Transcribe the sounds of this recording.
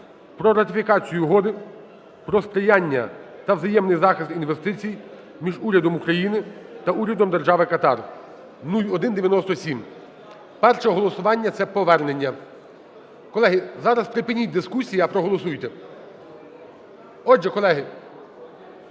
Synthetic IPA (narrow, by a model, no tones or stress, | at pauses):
pɾɔɾɐt̪ɪfʲikɑt͡sʲijʊɦɔd̪ɪ | pɾɔspɾɪjɑnʲːɐt̪ɐwzɐjɛmnɪjzɑxɪst̪inʋest̪ɪt͡sʲij | mʲiʒuɾʲɐd̪ɔmukɾɐjinɪt̪ɐuɾʲɐd̪ɔmd̪erʒɑʋɪkɐt̪ɑr | nulʲɔd̪ɪnd̪eʋʲjɐnɔst̪ɔsʲim | pɛrʃɛɦɔlˠɔsʊʋɑnʲːɐt̪sɛpɔʋɛrnenʲːɐ | kɔlˠɛɦɪzɑɾɐspɾɪpɪnʲit̚ʲd̪ɪskusʲijɐɐpɾɔɦɔlˠɔsujt̪ɛ | ɔd͡ʒɛkɔlˠɛɦɪ